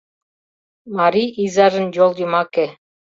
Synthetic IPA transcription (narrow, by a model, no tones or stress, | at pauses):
mɑɾiʔizɑʒə̆njolˠjimɑkĕ